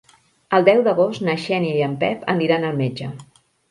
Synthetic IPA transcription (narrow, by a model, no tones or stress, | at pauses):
əlˠd̪ɛwðəɣosnəʃɛniiəmpɛpʰə̰ndiɾanəlˠmed͡ʒə